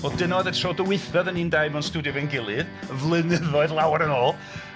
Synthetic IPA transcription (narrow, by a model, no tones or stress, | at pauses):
ɔdɪnɔðɛtʰrɔdəwɪθɛðəniːndajmɛnstudiɔvɛnɡɪlˠɨðvlˠɨnəðɔɨðlˠawaɾənɔːlˠ